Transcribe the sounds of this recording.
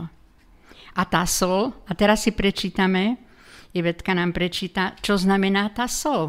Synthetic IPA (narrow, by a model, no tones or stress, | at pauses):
at̪aːsɔlat̪ɛɾasːipɾɛt͡ʃiːt̪amɛ | jɛʋɛt̪kanaːmpɾɛt͡ʃiːt̪at͡ʃɔznamɛnaːt̪aːsɔl